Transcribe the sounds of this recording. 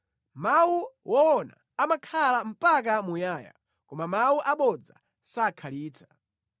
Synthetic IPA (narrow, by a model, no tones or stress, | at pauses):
mawuwʔɔwɔna̰ | amakʰalam̩pak̬amujaːja̰ | kɔmamawuʔaɓɔd͡za̰ | saːkʰaliːt͡sʰḁ